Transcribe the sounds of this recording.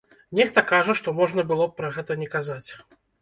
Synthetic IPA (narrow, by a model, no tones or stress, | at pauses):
nʲɛxt̪ɐkaʐɐʂt̪ɔmɔʐnɐbɨlˠɔpːɾɐɣɛt̪ɐnʲɛkazat͡sʲ